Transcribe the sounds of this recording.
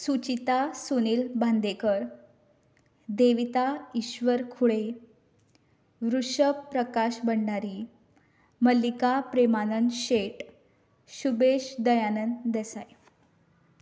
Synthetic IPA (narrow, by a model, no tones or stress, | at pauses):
sut͡ɕit̪asuniːlbʱand̪ekəɾ | d̪eʋit̪aiɕʋəɾkʰuɭe | ʋɾuʂəpːɾəkaɕbəɳɖaɾi | məlikapɾemanənɕeʈ | ɕubeɕd̪əjanənd̪esaj